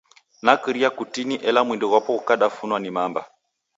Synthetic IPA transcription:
nakiɾiakutiniʔɛlamwindiɣwapɔukaɗafunwanimamba

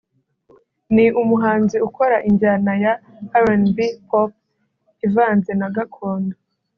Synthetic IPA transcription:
niʔumuɦaːnziuko̞ɾaʔiɲɟanaja | aɾanbihop̚ | ivaːnze̞naɡakʰoːndo

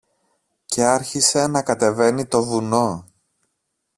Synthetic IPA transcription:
ce̞ɐɾçise̞nɐkɐt̪e̞ve̞nit̪o̞vuno̞

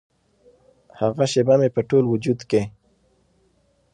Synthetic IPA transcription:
haɣaʃebamepəʈolwʊd͡ʒud̪ke

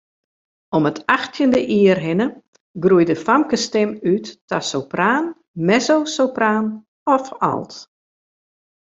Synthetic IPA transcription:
ɔmətaxtʰjəndəʔiːərɦɪnə | ɡrujdəfamkəstɪmytːasowpraːn | mɛzowsowpraːn | ɔfa̰lˠt

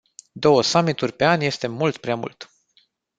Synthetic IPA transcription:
d̪o̞wəsamit̪urʲpe̞anʲje̞st̪e̞mult̪pɾeamṵlt̪

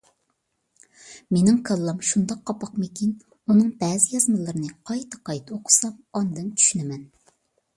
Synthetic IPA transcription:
menɪŋkʰɑlˠːɑmʃund̪ɑqʰːɑpɑqmɪkʲin | unɨŋbɛːzɪjɑzmɨlˠɨɾnɨqʰɑjt̪ʰɨ̥qʰɑjt̪ʰoqʰʊ̥sɑmɑnd̪ɨnt͡ʃʰy̥ʃynɪmɛn

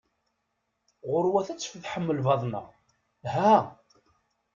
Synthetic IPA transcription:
ʁʊɾwæθæt͡sːfðħəmːəlvɑðˤnə̰ʁ | hæ

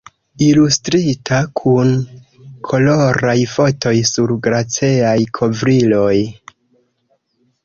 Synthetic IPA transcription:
ilustɾitakʰun | kʰo̞lo̞ɾajfo̞tʰo̞jsuɾɡɾat͡siajkʰo̞vɾilo̞j

